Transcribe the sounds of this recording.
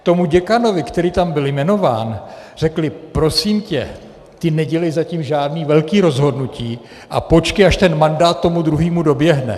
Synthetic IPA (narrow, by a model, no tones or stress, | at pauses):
t̪o̞muɟɛkano̞vɪkt̪ɛɾiːt̪ambɪljmɛno̞vaːn | r̝ɛklɪpɾo̞siːmcɛ̰ | t̪ɪnɛɟɛlɛjzaciːmʒaːdniːvɛlkiːɾo̞zɦo̞dnuciː | ʔa̰po̞t͡ʃkɪaʃt̪ɛnmandaːt̪̚ːo̞mud̪ɾuɦiːmudo̞bjɛɦnɛ̰